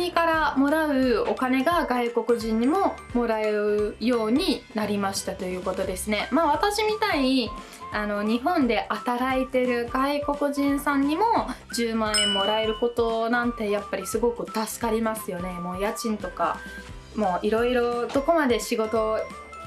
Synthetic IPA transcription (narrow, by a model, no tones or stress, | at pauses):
ɲikaɾamo̞ɾaɯ̟o̞kane̞ɡaɡaiko̞kɯ̟ʑĩɲ̟ːimo̞mo̞ɾaeɾɯ̟jo̞ːɲ̟inaɾʲimaɕi̥t̪at̪o̞jɯ̟ːko̞t̪o̞d̪e̞sɨne̞maːβ̞at̪aɕimʲit̪ai | ano̞ɲ̟iɦõ̞nd̪e̞ʔat̪aɾaet̪e̞ɾɯ̟ɡaiko̞kɯ̟ʑĩɰ̃sãɲ̟ːimo̞d͡ʑɨːmãẽmːo̞ɾae̞ɾɯ̟ko̞t̪o̞nãnt̪e̞japːaɾʲisɨɡo̞kɯ̟t̪asɨ̥kaɾʲimasɨjo̞ne̞mo̞ːjat͡ɕĩnt̪o̞ka̰ | mo̞ːʔiɾo̞iɾo̞d̪̥o̞ko̞mad̪e̞ɕiɡo̞t̪o̞